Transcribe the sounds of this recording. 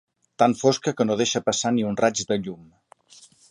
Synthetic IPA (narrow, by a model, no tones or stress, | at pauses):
t̪aɱfoskəkənoð̞eʃəpəsaniunrad͡ʒd̪əʎum